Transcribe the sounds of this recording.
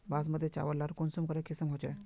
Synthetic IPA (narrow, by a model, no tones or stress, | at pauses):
bas̬məd̪ʱːjet͡ʃa̰ʋəlːaɾkonsumkəɾekʰisəmɦot͡ʃe